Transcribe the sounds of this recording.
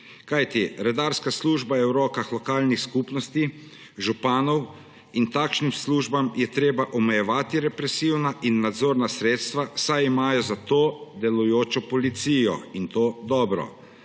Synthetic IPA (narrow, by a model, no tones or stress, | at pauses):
kajt̪iɾɛd̪aːɾskasluːʒbajɛwɾɔːkaxlɔkaːlnixskupnɔst̪i | ʒupaːnɔw | int̪akʃnimsluːʒbamjɛt̪ɾeːbaʔɔmɛjɛʋaːt̪iɾɛpɾɛsiwnaʔinːad̪zoːɾnasɾeːt̪st̪ʋasajimaːjɔzat̪oːd̪ɛlujoːt͡ʃɔpɔlit̪siːjɔ̰int̪oːd̪ɔːbɾɔ̰